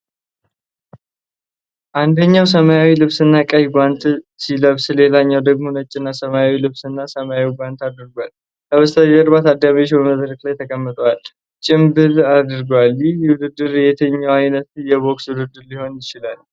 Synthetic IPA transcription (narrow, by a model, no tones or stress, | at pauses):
ʔand̪əɲːaws̬əmajawilɨβsɨnːakʼəjiɡʷant̪siləβsle̞laɲːawd̪əɡmo̞nət͡ʃʼːɪnːasəmajawilɨβsɨnːasəmajawiɡʷant̪ad̪ɾɡwal | kəβəst̪ʰaəɾbat̪ad̪ːamet͡ʃbəməd̪ɾəklajt̪ʰəkʼəmːɨt̪ʼwal | t͡ʃʼɪmbɨlad̪ɾɡwaljɪwʊd̪ɨd̪ːɨɾjɛt̪ʰəɲːawajnət̪jɛbo̞kswʊd̪ɨd̪ːɨɾliho̞njɪt͡ʃɪlal